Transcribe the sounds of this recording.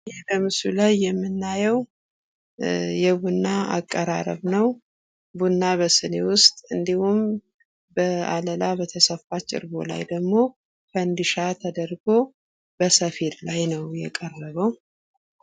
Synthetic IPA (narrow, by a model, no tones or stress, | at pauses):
hebəmɨsulajːɛmːɨnːajɛw | jɛbunːaa̰kʼːəɾa̰ɾə̰βnəw | bunːaβəsɨnewʊst̪ʼɨnd̪ihum | bəaləlabət̪ʰəsəfat͡ʃːɪ̰ɾbo̞̰la̰jd̪əɡmo̞ | kʰənd̪ɨʃat̪ʰəd̪əɾɡo̞ | bəsəfeɾlajnəwjɛkʼərːəβəw